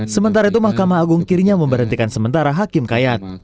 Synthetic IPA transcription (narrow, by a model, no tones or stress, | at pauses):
səmənt̪aɾait̪umahkamaːɡuŋkɪrɲaməmbəɾɦənt̪ikansəmənt̪aɾaɦakɪmkajat̪̚